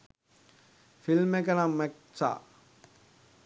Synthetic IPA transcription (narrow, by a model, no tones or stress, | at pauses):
filmekənamːek | sa̰ː